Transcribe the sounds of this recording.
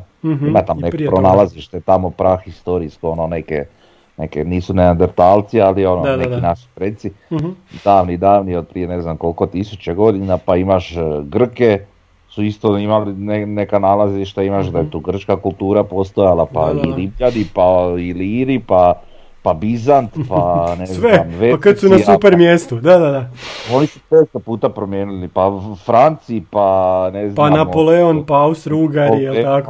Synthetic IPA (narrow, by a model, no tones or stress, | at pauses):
imat̪amonekpɾonaːlˠaziʃt̪et̪amo̞pɾaxist̪o̞ɾiskoononekḛ | nekeniːsuneand̪eɾt̪aːlˠt̪sialiononekkinaʃi̥pɾet̪sid̪aːʋnid̪aːʋniod̪̚pɾije̞ne̞znamko̞lkot̪isut͡ɕeɡo̞d̪inapaimaʃɡr̩ke̞ | suist̪oimalinenekanaːlaziʃt̪aimaʃd̪ajet̪uːɡr̩t͡ʃkakulˠt̪uːɾapo̞st̪ojalapa̰ilibʎad̪ipailiɾipa | pabizant̪panezʋeamʋepakasunasupeɾmjest̪ud̪ad̪ad̪ao̞nisutest̪opuːt̪apɾomjeːnulipafɾant̪sipaneznpananapoleonpaaust̪ɾuɡajelt̪ako